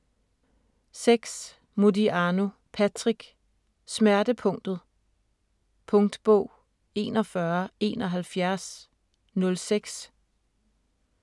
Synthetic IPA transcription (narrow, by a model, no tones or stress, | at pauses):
seɡ̥s | mudiʔɑno̝ | pʰæt͡sʰʁiɡ̥ | smæɐd̥əpʰɔ̽ŋ̰d̥ð̞̩ˠ | pʰɔ̽ŋd̥b̥ɔ̰̽ʊ̰ | e̝ːnɒ̽fɶɐe̝ːnɒ̽ɦælfjæɐs | nɔ̽lseɡ̥s